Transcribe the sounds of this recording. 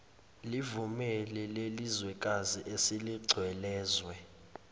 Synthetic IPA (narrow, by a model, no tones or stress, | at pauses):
livumɛlɛlelizwɛk̬ʼaziʔesiliɡ͡ǀʱwɛlɛːzwɛ